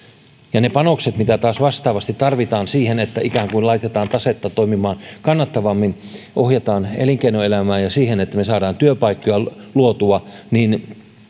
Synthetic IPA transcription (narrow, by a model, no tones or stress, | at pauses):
jɑnepɑnokset̪mit̪æt̪ɑːsʋɑst̪ɑːʋɑst̪it̪t̪ɑrʋit̪ɑːnsiːhenet̪ːæʔikæːŋkuilɑit̪et̪ɑːnt̪ɑset̪ːɑt̪oimimɑːnkɑnːɑt̪ːɑʋɑmːinʔohjet̪ɑːnḛliŋkeinoelæmæːnjɑsiːhenet̪ːæmesɑːdɑːnt̪yøpɑikːojɑluot̪uɑnin